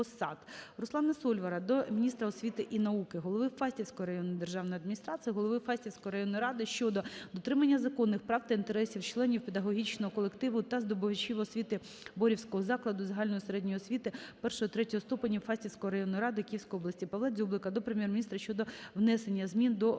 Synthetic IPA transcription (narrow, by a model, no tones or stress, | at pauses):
ɔsɑd̪ɾʊslˠɑnɐsɔlʲʋɐɾɐd̪ɔmʲinʲist̪ɾɐɔsʲʋʲit̪ɪʔinɐukɪɦɔlˠɔʋɪfɑsʲtʲiwsʲkɔjɔɾɐjɔnʊd̪erʒɑwnɔjɐd̪mʲinʲist̪ɾɑsɨijɐɦɔlˠɔʋɪfɑsʲtʲiwsʲkɔjiɾɐjɔnːɔjɾɑd̪ɪʃt͡ʃɔd̪ɔd̪ɔt̪ɾɪmɐnʲːɐzɐkɔnːɪxpɾɑwt̪ɐint̪eɾɛsʲiwt͡ʃlˠɛnʲiwped̪ɐɦɔɦʲit͡ʃnɔɦɔkɔlˠekt̪ɪʋʊt̪ɐzd̪ɔbɔʋɐt͡ʃiʋɔsʲʋʲit̪ɪ | bɔɾʲiwsʲkɔɦɔzɑklˠɐd̪ʊzɐɦɑlʲnɔjɔseɾɛdʲnʲɔjɔsʲʋʲit̪ɪpɛrʃɔɦɔt̪ɾɛtʲɔɔst̪upɐnʲːifɑsʲtʲiwsʲkɔɦɔɾɐjɔnːɔjiɾɑd̪ɪkʲijiwsʲkɔjɔblˠɐsʲtʲipɐlˠɑzʲublˠɪkɐd̪ɔpɾemjɛrmʲinʲist̪ɾɐʃt͡ʃɔd̪ɔwnɛsenʲːɐzmʲind̪ɔ